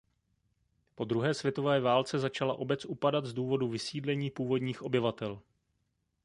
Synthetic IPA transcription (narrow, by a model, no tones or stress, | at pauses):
po̞d̪ɾuɦɛːsvʲjɛt̪o̞vɛːvaːlt͡sɛzat͡ʃalaʔo̞bɛt͡sʔupadat̪zduːvo̞duvɪsiːdlɛɲiːpuːvo̞dɲiːxʔo̞bɪvat̪ɛl